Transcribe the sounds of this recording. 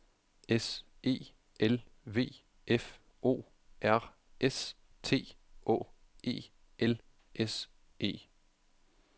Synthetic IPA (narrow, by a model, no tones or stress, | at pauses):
es | e̝̰ː | elʋe̝̰ː | ʔef | o̝̰ː | ʔæɐ̰ | es | t͡sʰe̝̰ːʔɔ̰̽ː | e̝̰ː | ʔel | ʔes | e̝̰ː